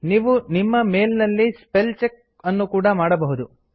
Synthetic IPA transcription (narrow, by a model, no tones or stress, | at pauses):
niːʋunimːɐmeːlnɐlːispelt͡ʃek̚ | ɐnːukuːɽɐmaːɽɐbɐɦud̪u